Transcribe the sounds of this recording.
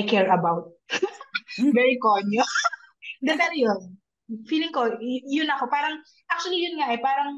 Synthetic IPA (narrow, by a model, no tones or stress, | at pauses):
jkɛɹɐbawt̪̚ | vɛɹikoɲo | d̪ɐt̪ɐnɐjon | fiːlɪŋkojʊnɐko̞paːɾɐŋ | ʔak̚t͡ʃʊɐlijʊnŋaʔɛpaːɾɐŋ